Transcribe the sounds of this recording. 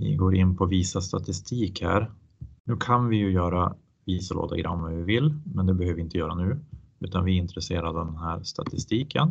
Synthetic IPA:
vɪ̰ɡoːɾɪnːpʰɔviːsast̪ʰat̪ɪst̪ʰiːkhæ̰ːɾ | nʉ̟ːkʰanvɪjɵjœːɾa | viːsəlo̰ːd̪a̰ɡɾʔa̰mvavɪvɪlmɛnd̪ɛbɛhøːvəvɪɪnt̪əjœːɾanʉ̟ːʉ̟ːt̪anvɪɪnt̪ɾɛseːɾad̪d̪ɛnɦæːɾʂt̪a̰t̪ʰɪst̪iːkʰə̰n

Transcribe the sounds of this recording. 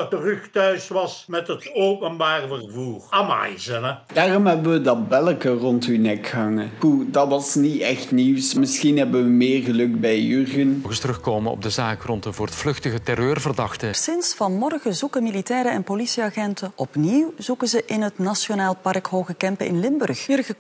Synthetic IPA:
tərɵxtœɥsʋɑsmɛtɦətowpənbaːrəvərvuːrama̰jzənəd̥aːrɔmɦɛbənʋədɑbɛləkərɔntynɛkɦɑŋəhudɑtʋɑsniɛxtniwsmɪsxinɦɛbənʋəmɪːrɣəlɵkbɛjørɣənɣəstərɵxkoːmənɔ̰b̚dəzaːkrɔntəvoːrətflɵxtəɣətɛrøːrvərdɑxtəsɪnsfɑnmɔrɣəzukəmilitɛːɾəɛnpolisiaɣɛntəʔɔpniwzukəzəʔɪnɦətnasjonaːlˠpɑrkɦoːɣəkɛmpəɪ̰nlɪmbɵrxjørɣə

